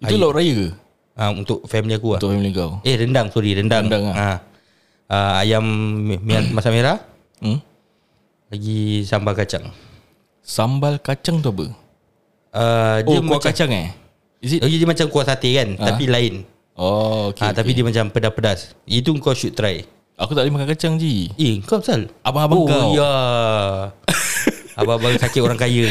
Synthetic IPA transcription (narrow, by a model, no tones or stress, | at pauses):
iaulauʔɾajəkə | ʔaunt̪ʊʔ̚familiakuat̪familiŋkawehɾəndaŋsuɾiɾəndaŋdaaa | əajamːamasameɾah | laɡisambalkat͡ʃa̰ŋ | sambalkat͡ʃaŋt̪uabə̰ | adiəmaakat͡ʃaŋɛ̰ | izilaɡidiəmat͡ʃamkuasat̪ekant̪apilaɪn | ookat̪apidiəmat͡ʃampədapədasit̪̬uəŋkawʃutt̪ːɾaj | akut̪aʔlimakakat͡ʃaŋd͡ʒieəŋkawsalabaabaɡawja | ababasakɪt̪oɾaŋkajə